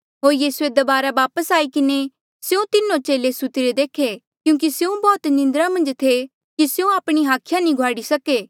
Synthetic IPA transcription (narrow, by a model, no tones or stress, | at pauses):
ɦoːɾjiːsued̪ɐbaːɾaʋaːpəsaːikɪne | sjũt̪ɪnːõt͡ʃeːlesʊt̪ɪɾed̪eːkʰe | kjũːk̬isjũbɔːt̪nɪ̃nd̪ɾãmɐ̃nd͡ʒt̪ʰe | kisjũaːpɽ̃iɦaːkʰjanĩɡʱwaːɽisɐkeː